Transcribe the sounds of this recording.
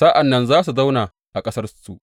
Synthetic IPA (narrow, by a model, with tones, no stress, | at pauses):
saː˦ʔa˨nːɐ˨nzaː˦s̬u˨za˦wnaː˨ | ʔa˨kʼɐ˦sɐ˦rsu˨